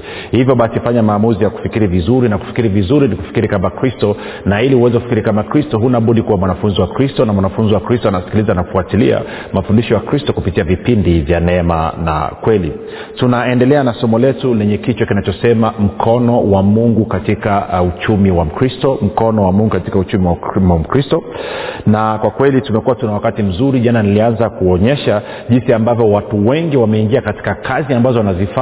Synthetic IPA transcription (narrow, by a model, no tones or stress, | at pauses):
hivjɔɓasifaɲamaːmuzijaku̥fikiɾivizuɾinaku̥fi̥kiɾivizuɾiniku̥fi̥kiɾikambakɾistɔ | nailiuwɛzɛkufikiɾikamakɾistɔɦunaɓuɗikuwamwanafunziwakɾistɔnamwanafunziwakɾistɔanasi̥kilizanaku̥fuatilḭa̰ | mafundiʃɔjakɾistɔkupitiavipindivjanɛɛma̰na̰kwɛlḭ | tunaɛndɛlɛanasɔmɔlɛtulɛɲɛkit͡ʃwakinat͡ʃɔsɛmam̩kʰɔnɔwamuŋɡukatikaut͡ʃumiwam̩kɾistɔm̩kɔnɔwamuŋɡukatikaut͡ʃumiwawam̩kɾistɔnakwakwɛlitumɛkuwatunawakatim̩zuɾiʄananilianzakuɔɲɛʃa | ʄinsiambavjɔwatuwɛŋɡiwamɛiŋɡiakati̥kakʰaziambazɔnazifa